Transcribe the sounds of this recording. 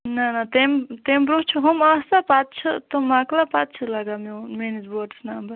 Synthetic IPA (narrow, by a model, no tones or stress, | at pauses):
nanat̪emt̪embɾot͡ʃʰuɦomast̪apat̪̚t͡ʃʰɐt̪omaklapat̪̚t͡ʃʰulaɡamemenizboʈsnambɐɾ